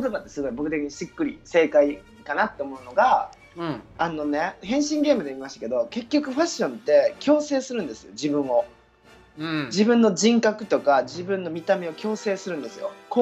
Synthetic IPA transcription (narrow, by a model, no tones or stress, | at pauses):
kot̪o̞bat̪ːe̞sɨɡo̞ibo̞kɯ̟t̪ekʲiɲisɨkːɯ̟ɾʲḭse̞ːkai | kanat̪ːe̞omo̞ɯ̟no̞ɡa | ano̞ne̞hẽ̞ɰ̃ɕĩŋɡʲe̞ːmɯd̪eimʲimaɕi̥t̪ake̞d̪o̞ke̞kʲːo̞kɯ̟ɸaɕːõ̞nt̪ːe̞kʲo̞ːse̞ːsɨɾɯ̟̃nd̪e̞sɨjo̞̰d͡ʑibɯ̟̃ɰ̃o̞ | d͡ʑibɯ̟̃nːo̞d͡ʑĩŋkakɯ̟̥t̪o̞kad͡ʑibɯ̟̃nːo̞mʲit̪amʲio̞kʲo̞ːse̞ːsɨɾɯ̟̃nd̪esɨjo̞̰ko